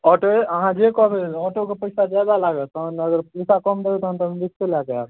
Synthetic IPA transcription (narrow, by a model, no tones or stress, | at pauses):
ɔʈoeəɦãd͡ʒekɔbeɔʈokepəɪsad͡ʒajbalaɡet̪ənəɡəɾpəjsakɔmd̪et̪ɦãnt̪abist̪elakeak